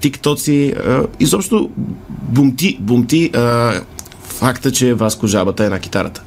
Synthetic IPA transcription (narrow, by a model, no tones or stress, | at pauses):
t̪ikt̪ɔt̪siəizɔpʃt̪obʊmt̪ibʊmt̪iə | fakt̪ət͡ʃɛvaskʊʒabət̪əɛnɐk̟i̥t̪a̰ɾə̰t̪ə̥